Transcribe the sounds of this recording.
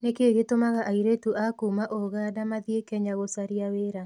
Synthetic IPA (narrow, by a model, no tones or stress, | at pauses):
nekeːɣetomaɣaʔaiɾetuʔakuːmaʔoɣaːdamaðjekɛɲaɣosaɾiaweːɾa